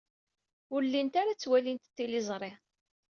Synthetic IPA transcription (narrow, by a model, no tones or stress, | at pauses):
ʊɾlːint̪aɾat͡sːwælint̪t̪ːilɪzˤɾˤɪ